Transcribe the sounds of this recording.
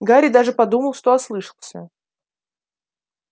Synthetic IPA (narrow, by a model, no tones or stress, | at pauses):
ɡaɾʲɪd̪aʐɨpɐd̪uməlˠʂt̪o̞ɐslˠɨʂɨlˠsʲə̰